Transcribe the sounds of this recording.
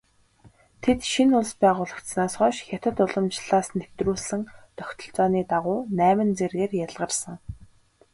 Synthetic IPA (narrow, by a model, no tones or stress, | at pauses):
t̪ʰet̪ʃinʊɮspæːʁʊːɮə̆kt̪snaːsχɔːʃxʲat̪ə̆t̪ʊɮə̆mt͡ɕɮ̥aːsnʰewt̪ruːɮsɘ̆ŋt̪œxʲt̪ʰɞ̆ɬt͡sɔːniːt̪aʁʊːnæːmɘ̆nt͡serɣeːrjaɮʁə̆rsə̆ŋ